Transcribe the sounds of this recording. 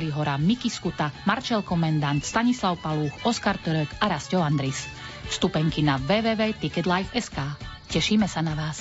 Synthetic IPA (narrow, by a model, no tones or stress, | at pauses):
liɦɔɾamikiskut̪amaɾt͡ʃɛlkɔmɛnd̪ant̪st̪aɲislaʊpaluːxɔskaɾt̪ɔɾɛkaɾascɔʊand̪ɾis | fst̪upɛŋkinaʋɛːʋɛːʋɛːt̪ikɛd̪lajfɛskaː | cɛʃiːmɛsanaʋaːs